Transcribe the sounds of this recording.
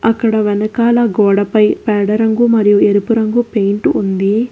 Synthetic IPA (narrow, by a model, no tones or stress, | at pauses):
ɐkːɐɽɐʋɛnɐkaːlɐɡɔːɽɐpɐjpɛːɽɐɾɐŋɡumɐɾijueɾupuɾɐŋɡupe̞jɳʈːnd̪i